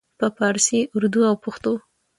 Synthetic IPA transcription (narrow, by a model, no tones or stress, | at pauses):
pəpɑɾsiʔʊɾd̪uawpʊxt̪o